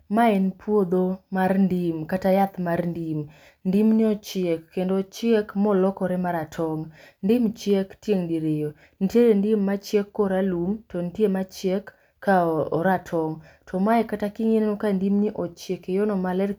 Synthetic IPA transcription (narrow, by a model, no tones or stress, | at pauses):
maɛnpʰwod̪omarndimkatajat̪marndim | ndimniɔt͡ʃekːendot͡ʃjekmɔlɔkɔɾɛmaɾatʰɔŋndɪmt͡ʃjektjeŋdiɾejo | ntjeɾendɪmːat͡ʃekːɔɾalumtɔntemat͡ʃjekː | aɔɾatʰɔŋtʰɔmaɛkatakiŋennokandimniʔɔt͡ʃekejɔnɔmalɛr